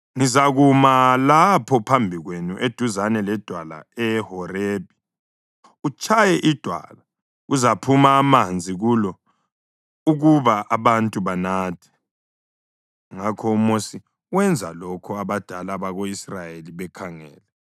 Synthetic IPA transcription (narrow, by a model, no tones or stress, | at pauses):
ŋizaɣumalapʰɔpʰambʱiɣwenuʔed̥ʱuzanɛlɛd̥ʱwala̰ɛhɔreːb̥ʱi | ut͡ʃʼajɛʔid̥ʱwa̰la | uzapʰumaːmand͡zʱiɣulɔ | uɣuβaʔaβantʼuβanaːtʰɛ̥ | ŋakʰɔumosi | wɛnd͡zʱa̰lɔkʰɔaβad̥ʱalaβaɣoisrajeliβɛkʰaŋɛ̰ːlɛ